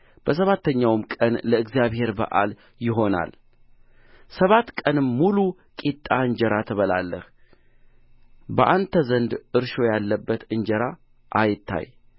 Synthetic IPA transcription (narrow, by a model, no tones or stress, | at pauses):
b̥əs̬əβat̪ːəɲːawmkʼənləɨɡzijaβhe̞ɾbə̰ʔa̰l | jɪɦo̞na̰l | səβat̪kʼənɨmːulu | kʼit̪ʼːaɨɲd͡ʒəɾat̪ʰəβəla̰lːə̰h | bəʔant̪ʰəzənd̪ʔɨɾʃo̞jalːəbːət̪ɨɲd͡ʒəɾa | ʔajɪt̪ʰːa̰j